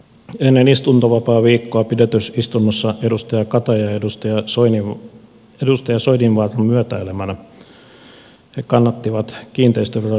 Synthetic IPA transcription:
enːenist̪unt̪oʋɑpɑːʋiːkːoɑpidet̪øsist̪unːosːɑʔedust̪ɑjɑkɑt̪ɑjɑedust̪ɑjɑni | edust̪ɑjɑsoininʋɑːt̪ɑmyøt̪æelemænæ | hekɑnːɑt̪ːiʋɑt̪kiːnt̪eist̪øʋølæ

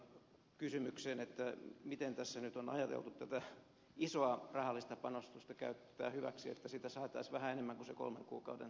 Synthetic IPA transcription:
kysymykseːnet̪ːæmit̪ent̪æsːænyt̪onɑ̰jɑt̪ḛlt̪ut̪tæt̪æ | isoɑrɑhɑlːist̪ɑpɑnost̪ust̪ɑkæ̰yt̪ːæ̰ːhyʋæ̰ksiet̪ːæsit̪æsɑːt̪ɑisʋæhæenemːæŋkuseko̰lmḛŋkṵːkɑudḛn

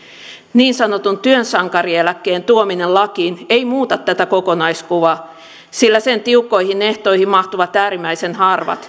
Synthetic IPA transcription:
niːnsɑnot̪unt̪yønsɑŋkɑrielækːeːnt̪uominellɑkiːneimuːt̪ɑt̪ːæt̪ækokonɑiskuʋɑ | silːæsent̪iukːo̞ihineht̪o̞ihimmɑht̪uʋɑt̪æːɾimːˑæisenhɑrʋɑ̰t̪

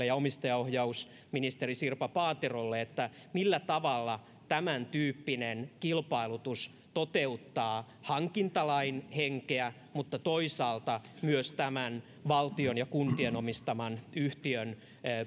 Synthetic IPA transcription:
ejɑomist̪ɑjɑohjɑus | minist̪erisirpɑpɑːt̪erolːeet̪ːæ | milːæt̪ɑʋɑlːɑ | t̪æmænt̪yːpːinenkilpɑilut̪us | t̪ot̪eut̪ːɑː | hɑŋkint̪ɑlɑinheŋkeæ | mut̪ːɑt̪oisɑːlt̪ɑmyøst̪æmæn | ʋɑlt̪ionjɑkunt̪ienomist̪ɑmɑnyht̪iønː

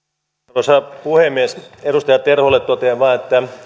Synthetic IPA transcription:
osɑpuhemːieseɾust̪ɑjɑt̪erholːet̪t̪ot̪eːʋɑːet̪ːæ

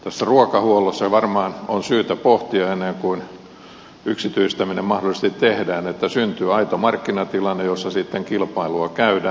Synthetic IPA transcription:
t̪æsːæruokɑhuolosːɑʋɑrmɑːnonsyːt̪æpoht̪iɑenːeŋkuin | yksit̪yist̪æminemmɑhdolises̆t̪it̪tehdæːnet̪ːæsynt̪yːɑit̪omɑrkːinɑt̪ilɑnːejosːɑsit̪ːeŋkilpɑiluɑkæydæː

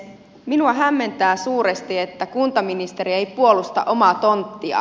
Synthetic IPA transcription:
minuɑɦæmːe̞nt̪æːsuːɾest̪ie̞t̪ːækunt̪ɑminist̪e̞ɾie̞jpuo̞lust̪ɑ̰ʔo̞mɑt̪o̞nt̪ːiɑ̰

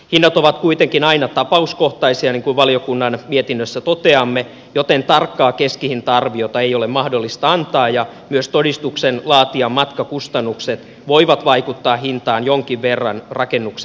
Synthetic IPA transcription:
hinːɑt̪oʋɑt̪kuit̪eŋkinɑinɑt̪ɑpɑuskoht̪ɑisiɑniŋkuʋʋɑliokunːɑnmiet̪inːøsːæt̪ot̪eɑmːe | jot̪ent̪ɑrkːɑːkeskihint̪ɑɑrʋijot̪ɑeijolemɑhdolːist̪ɑɑnt̪ɑːjɑmyøst̪odist̪uksenlɑːt̪iɑmmɑt̪kɑkust̪ɑnːukset̪ | ʋoiʋɑt̪ʋɑikut̪ːɑːhint̪ɑːnjoŋkiʋʋerːɑ̰nrɑkenːukse

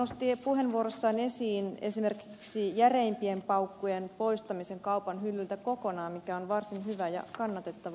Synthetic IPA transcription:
ost̪ipuhenʋuorosːɑːnesiːnesimerki̥ksijæreimpiempɑukːujenpoist̪ɑmiseŋkɑupɑnɦylːylt̪ækokonɑːmmikæonʋɑrsinhyʋæjɑ̰kɑnːɑt̪et̪ːɑʋɑ

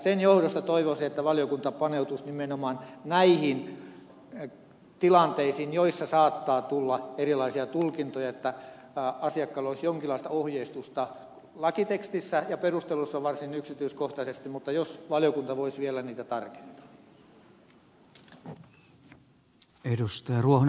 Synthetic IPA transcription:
senjohdost̪ɑt̪oiʋosiet̪ːæʋɑljokunt̪ɑpɑneut̪usnimenomɑːnnæihin | t̪ilɑnt̪eisinjoisːɑsɑːt̪ːɑːt̪ulːɑerilɑisiɑt̪ulkint̪ojɑet̪ːæ | ɑsiɑkːɑloisjoŋkilːˑɑˑist̪ɑohjeist̪ust̪ɑ | lɑkit̪ekst̪isːæjɑperust̪elusːɑʋɑrsinyksit̪yiskoht̪ɑsest̪imut̪ːɑjosʋɑlijokunt̪ɑʋoisʋielæniːt̪æt̪ɑrke̥nt̪ɑ̥ | edust̪ɑjɑruoho

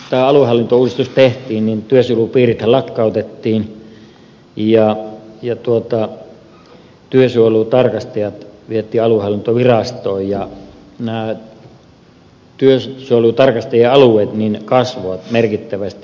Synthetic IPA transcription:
t̪æːɑluhɑlːint̪ouːist̪ust̪eht̪ˑiːnnint̪yøsyolupiːrit̪hælɑkːɑˑut̪et̪ːiːn | jɑjɑt̪uot̪ɑ | t̪yøsuoluˑt̪ɑrkɑst̪ɑjɑt̪ʋiet̪ˑːiːɑluhɑlːint̪oʋirɑst̪oːjjɑ | næː | t̪yøssuolut̪ɑrkɑst̪ejeɑlueˑːt̪ninkɑsʋoɑt̪merkit̪ːæʋæst̪i

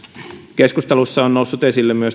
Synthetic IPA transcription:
keskust̪ɑlusːɑonnoˑusːut̪esilːemmyøs

